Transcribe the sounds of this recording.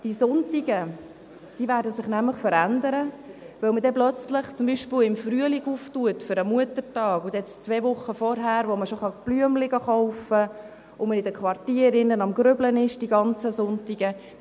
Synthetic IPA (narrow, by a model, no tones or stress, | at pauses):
d̥isʊntiɡə | d̥iːʋæːɾdəsɪχnæmləχfəɾændəɾə | ʋɵlmədɛplœt͡sləχt͡sʊmbiːʃpɪlɪmfryəliɡuftuətfʏɾəmuətəɾtɑːɡ̥ʊd̪ɛt͡st͡sʋɛːvʊχːəfɔɾɦæːɾʋoməʃoχɑb̥lyəmlɪɡɑχɔʊfə | ʊmənɪdəkʰʋɑrtiːəɾɪnːənɑmɡɾʏblənɪʃd̥iɡɑnt͡səsʊntiɡə